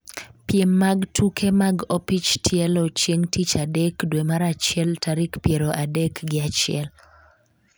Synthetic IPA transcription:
pjemːaɡtʰukʰemaɡopit͡ʃtʰjɛlot͡ʃjeŋtit͡ʃadɛkdwemaɾat͡ʃɪɛltʰaɾikpjeɾoʔadɛkɡɪat͡ʃɪɛ̰l

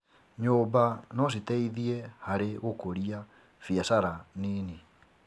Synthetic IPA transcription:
ɲoːbanɔs̬itɛiðiɛhaɾeɣokoɾia | fiasaɾaniːni

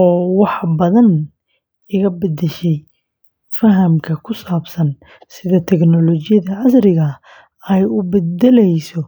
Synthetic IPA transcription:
ɔːwɑħbɐðɐn | ɪɣɐbɐd̪ɛʃɛj | fɐɦɐmkʰɐkʰʊsaːbsɐn | sɪðɐt̪ʰɛɡnɔlɔt͡ʃɪjɐðɐʕɑsrɪɣɐ | ɛjʊbɛd̪ɛlɛjsɔ

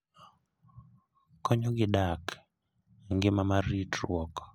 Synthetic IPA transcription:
kɔɲɔɡɪɗak | ŋɡemamaɾitɾwɔk

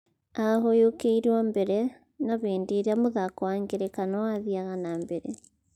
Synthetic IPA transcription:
aɦojokeiɾwambɛɾɛ | naβeːndeɾeamoðakɔwaŋɡeɾekanɔwaðiaɣanambeɾɛ

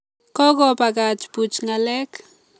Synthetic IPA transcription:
kokopakat͡ʃput͡ʃŋalek

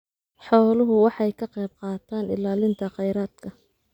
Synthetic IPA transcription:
ħɔːlʊɦʊwɑħɑjkʰɐqɛjb̚qɑːt̪ʰaːnɪ̰laːlɪnt̪ʰɐqɛjɾaːd̪̥kʰɐ

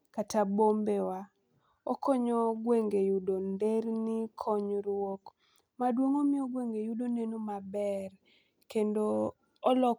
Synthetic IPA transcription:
katabombewa | ɔkʰɔɲɔɡweŋɡejudondeɾnikʰɔɲɾwok | madwoŋomɪɔɡweŋɡejudonenomabɛr | kendoː | lɔ

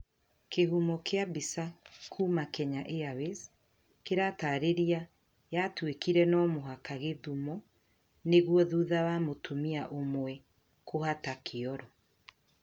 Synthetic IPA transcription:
keɦumɔkeabisakʰuːmakɛɲaʔeawez | keɾataːɾeɾia | jatwekiɾɛnɔmoɦakaɣeðumɔ | neɣwɔðuðawamotʰomiaʔomwɛ | kohatakʰeɔɾɔ

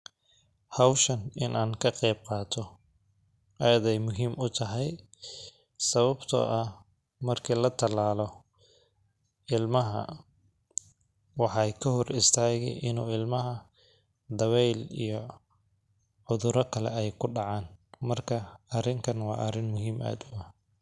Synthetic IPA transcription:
hɑwʃɐnɪnʔaːŋkʰɐqɛːb̚qɑːt̪ʰɔ | ʔɐjɐðɛjmʊɦiːmʔʊt̪ʰɐɦɛj | sɐβɐbt̪ʰɔ̰ːʔɐ | mɐrkʰiːlɐt̪ʰɐlaːlɔ | ɪlmɐɦɐ̰ | wɑħɑjkʰɐɦɔrʔɪst̪ʰaːɣɛ̰jʔɪnuːɪlmɐɦɐ | d̪ɐβɛjlḭjɔ | ʕʊðʊɾɔkʰɐlɛɛjkʰʊɖɑʕɑːnmɐrkʰɐɐrɪŋkʰɐnwɑːʔɐrɪnmʊɦiːmʔa̰ːd̪ʊɐ

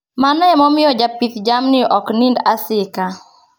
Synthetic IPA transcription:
manɛmɔmɪjɔd͡ʒapit̪d͡ʒamnɪʔɔknindasɪka

